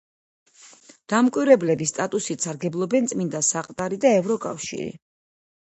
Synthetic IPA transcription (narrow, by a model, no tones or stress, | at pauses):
d̪̥amkʼwiɾɛblɛbist̪ʼat̪ʼusit̪saɾɡɛblˠɔbɛnt̪sʼmind̪asaqʼt̪ʼaɾid̪aɛvɾɔkʼa̰fʃḭɾḭ